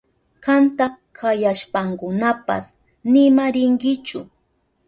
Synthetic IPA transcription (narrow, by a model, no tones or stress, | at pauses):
kant̪a | kʰajaʃpaŋkʊnapa̰s | nɪmaɾɪŋɡɪt͡ʃʊ